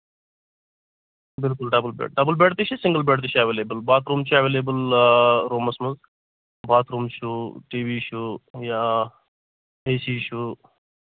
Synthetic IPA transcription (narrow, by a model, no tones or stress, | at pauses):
bɪlkʊlɖɐbəlbḛʈ̚ɖɐbəlbeːʈt̪iʃisɪŋɡəlbeːʈt̪iʃʰiaʋeːleːbəlbaːt̪ʰɾuːmt͡ʃʰuaʋeːleːbəlɾoːmɐsmɐz | baːt̪ʰɾuːmt͡ʃʰuʈiːʋiːʃujaː | eːsiʃu